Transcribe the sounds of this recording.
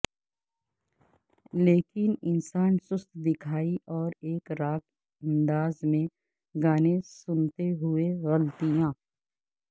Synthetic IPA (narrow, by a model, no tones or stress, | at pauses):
leːkɪnɪnsaːnsʊst̪ʰd̪ɪkʰaːiʔɔːɾeːkɾaːk | ɐ̃nd̪aːzmẽ | ɡaːnẽsʊnt̪eɦʊeɣəlt̪ijãː